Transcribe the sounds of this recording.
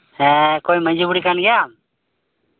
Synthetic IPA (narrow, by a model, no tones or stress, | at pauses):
ɛkojməɲd͡ʒubuɽikanɡɛjam